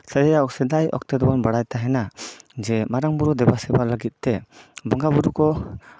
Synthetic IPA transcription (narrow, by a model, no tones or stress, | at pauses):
səɾijaɔksɛd̪ajɔ̰k̚t̪ɛd̪ɔbɔnbəɽajt̪aɦɛnad͡ʒɛmaɾaŋbuɾud̪ɛbasɛbaləɡit̪̚t̪ɛbɔŋɡabuɾukɔ